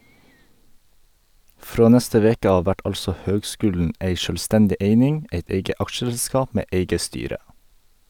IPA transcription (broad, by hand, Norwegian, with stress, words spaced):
ˈfɾoː ˈnɛstə ˈʋeːkə ˈɑːʋ ˈʋæʈ ˈɑlsɔ ˈhøːɡˌskʉːlɳ̩ ˈeɪ ˈʃøːlˌstɛndɪ ˈeɪnɪŋ ˈʔeɪt ˈeɪɡə ˈɑkʃəˌskɑːp ˈmeː ˈʔeɪɡə ˈstyːɾə